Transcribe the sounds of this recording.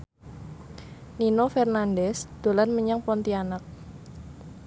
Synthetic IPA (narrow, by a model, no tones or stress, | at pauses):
ninofɛrnandɛsd̪̥o̤lanməɲaŋpɔnt̪ianak̚